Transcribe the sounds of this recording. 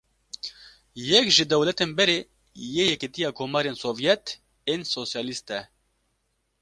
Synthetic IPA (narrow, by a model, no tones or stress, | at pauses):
jɛkʒɨd̪ɛwlɛt̪eːnbɛɾeː | jeːjɛkit̪ijɑːkʰoːmɑːɾeːnsoːvijɛt̪ | eːnsosjɑːlist̪ɛ